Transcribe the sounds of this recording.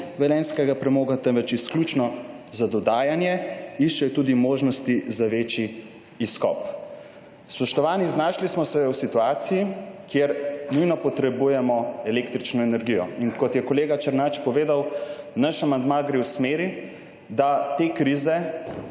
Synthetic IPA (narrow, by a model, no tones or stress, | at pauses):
ʋɛlɛːnskɛɡapɾɛmoːɡat̪ɛnʋɛt͡ʃɛsklʲut͡ʃnɔ | zad̪ɔd̪aːjanjɛiʃt͡ʃɛjɔt̪uːd̪imoːʒnɔst̪izaʋeːt͡ʃiː | skɔ̰p | spɔʃt̪ɔʋaːniznaːʃlismɔsɛwsit̪uaːt̪sijikjeɾnujnɔpɔt̪ɾɛbujɛmɔɛlekt̪ɾit͡ʃnɔɛnɛɾɡijɔinkɔt̪jɛkɔleːɡat͡ʃɛɾnat͡ʃpɔʋeːd̪awnaʃamand̪maɡɾewsmeːɾi | d̪at̪ekɾizɛ